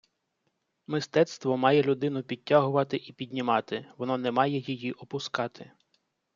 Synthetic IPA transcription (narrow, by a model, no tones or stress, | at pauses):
mɪst̪ɛt̪st̪ʋɔmɑjɛlʲʊd̪ɪnʊpʲitʲːaɦʊʋɐt̪ɪʔipʲidʲnʲimɑt̪ɪʋɔnɔnɛmɑjɛjijiʔɔpʊskɑt̪ʰɪ